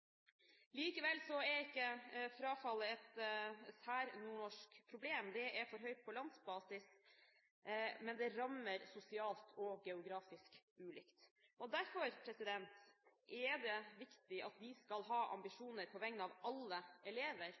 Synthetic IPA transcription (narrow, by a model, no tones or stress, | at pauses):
liːkəʋɛlsɔɛɾɪkːəfɾɑːfɑlːəɛt̪sæːɾnuːɳɔʂkpʰɾʊbleːmd̪ɛʔɛɾfɔɾɦœʏt̪̚pʰɔlɑnd̪sbɑːsɪs | mɛnd̪ɛɾɑmːəɾsʊsɪɑːlt̪ʰɔɡɛʊɡɾɑːfɪskʉːlɪkt̪ʔɔd̪æɾfɔɾpʰɾɛsɪd̪ɛnt̪ʔɛɖ̪ɛʋɪkt̪ɪʔɑ̰t̪d̪ɪskɑlɦɑːʔɑ̰mbɪʂuːnəɾpʰɔʋɛŋnɑːʋɑlːəɛleːʋəɾ